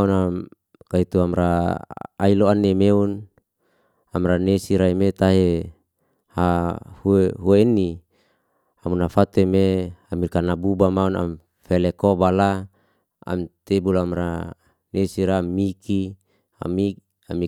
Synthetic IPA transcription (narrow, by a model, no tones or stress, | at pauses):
unam | kait̪uamɾa | a̰iloanːemeun | amɾanesiɾaimet̪aɦe | hahueɦueini | amunafat̪uemeamikanabubamauna̰m | felekobala | a̰mt̪ebulamɾa | nesiɾamiki | a̰mi | ami